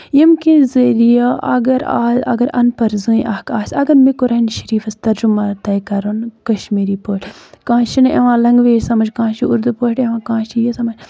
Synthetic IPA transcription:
jimkĩnzɐɾijɐʔɐ̰ɡɐɾa̰ːɐ̰ɡɐɾɐ̰npɐɾzuːĩʔɐhkaːsʲɐɡɐɾmikuɾɐinʃɐɾiːfɐst̪ɐɾd͡ʒumaːt̪ɐjkɐɾonkɐʃmiːɾiːpoːʈkãːʃinḛʋãːlɐŋɡʋeːɾsɐmɐd͡ʒkãːʃiuɾd̪upoːʈeʋãːkãːʃijisɐmɐd͡ʒ

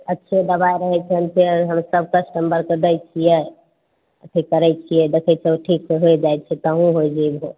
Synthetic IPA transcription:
ətːʃʰed̪əbaeɾəɦɛt͡ʃʰənt͡ʃʰeɦəmsəb̚ʱkəsʈəmbəɾked̪əjt͡ʃʰijɛ | ət̪ʰikəɾɛt͡ʃʰijɛd̪ekʰɛt͡ʃʰɛoʈʰikseɦoed͡ʒaj̪t͡ʃʰɛt̪əɦũɦojd͡ʒebo

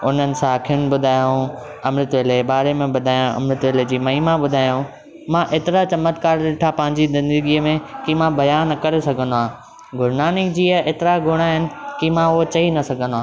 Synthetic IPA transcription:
ʊn̤ənɪ̆sãkʰiʊnɪ̆bʊd̪ʱaːj̃ũɐmɾɪt̪ʋeːlebaːɾemẽɓʊd̪ʱaːjũɐ̰mɾɪt̪ʋeːled͡ʑiːmɐɦimãɓʊd̪ʱaːjũ | mãʔeːt̪ɪɾat͡ɕɐmət̪kaːɾɗɪʈʰapɐ̃ɦɪɲ̆d͡ʑizɪ̃nd̪əɡiəmẽkimãbɐjaːnkɐɾesɐɡʱə̃nd̪ʊãː | ɡʱʊɾnaːnɪkd͡ʑiːəʔeːt̪ɪɾaɡʱʊɽ̃aɦɪnɪ̆kimãʊɦot͡ɕɐinɐsɐɡʱə̃nd̪oaː

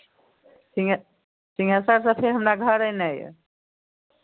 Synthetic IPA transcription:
siŋ | siŋɡasaɾsə̃pʰeɾɦəmnaɡʱəɾənaj̰

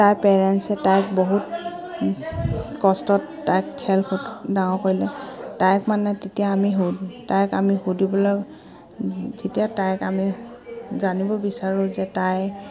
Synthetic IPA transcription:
tajpɛɹɛnsɛtajk̚boɦut | kɔstɔtːajkʰːɛlxutdawɔ̃koɹilɛtajkmanatetijaːmiɦutajkamixudibɔlɔ | zetijatajkami | zanibɔbisaɹʊ̃zɛtaj

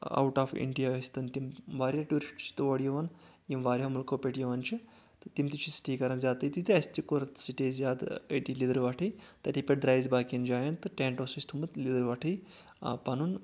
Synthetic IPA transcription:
a̰wʈaːfḭɳɖijaːʋɐsʲt̪ɐnt̪imʋaːɾʲjaʈuɾiʂʈt͡ʃʰi̥t̪ɨʋɐɽjiʋɐn | jimʋaːɾʲjamulkopʲeʈjiʋant͡ʃʰi | t̪ɨt̪imt̪it͡ʃʰisi̥ʈʰiːkɐɾɐnzʲaːt̪əjt̪it̪iɐsʲt̪ikoɾt̪siʈezʲjaːd̪əʈilid̪əɾʋaʈʰɨjt̪ʲat̪ipʲeʈ̚d̪ɾaːjzbaːkʲind͡ʒaːjɐnt̪ːɨʈʲeːɳʈosusʲt̪ʰumət̪lid̪əɾʋaʈʰɨj | panun

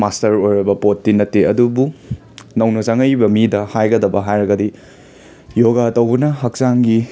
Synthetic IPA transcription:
mastɐɾojɾɐbɐpotːinɐtːeɐdubu | nɐwnozaŋɐjbɐmidɐhajɡɐdɐbɐɦajɾɐɡɐdi | joɡatɐwbunɐɦɐk̚saŋɡi

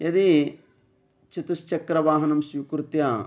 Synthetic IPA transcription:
jɐd̪i | t͡ʃit̪ust͡ʃɐkɾɐʋaːɦɐnɐmʃʋikuɾut̪ja

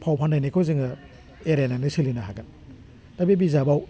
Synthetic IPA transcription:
pʰawpʰandajnekʰojzɯŋɯ | eɾenanɯsilinaɦaɡɯn | d̥abibizabaw

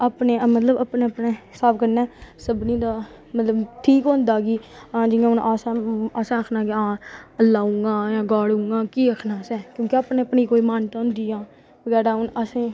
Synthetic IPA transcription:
apneːmət̪ləbapneːəpneːɦɪsaːbkənɛːsəbniːd̪aː | mət̪ləbʈʰiːkɦõːnd̪aːɡiːãːd͡ʒɪãːʊnʔaːsãːəsãːəkʰnaːkeãːəlaːũɡãːjãːɡaːɽũːŋɡãːkiːəkʰnaːsɛːkjõːkɪapneːəpniːkoːiːmaːnt̪aːɦʊnd̪iːãː | bəɡɛːɾaːʊnəsẽː

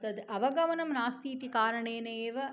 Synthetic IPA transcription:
t̪ɐd̪ɨʔɐʋɐɡɐʋɐnɐmnaːst̪iːt̪ikaːɾɐɳeːneːʋɐ

